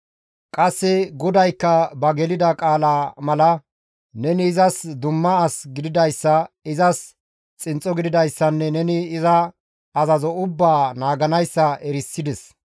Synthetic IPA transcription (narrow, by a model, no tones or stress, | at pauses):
kʼɐsːɪɡɔd̪ɐjkːɐbɐɡɛlɪd̪ɐkʼaːlamɐlɐ | nɛnɪːzɐsd̪ʊmːɐɐsɡɪd̪ɪd̪ɐjsːɐ | ɪzɐs | t͡sʼɪnt͡sʼːɔɡɪd̪ɪd̪ɐjsːɐnːɛnɛnɪːzɐː | zɐzɔʊbːaːnaːɡɐnɐjsːɐɛɾɪsːɪd̪ɛs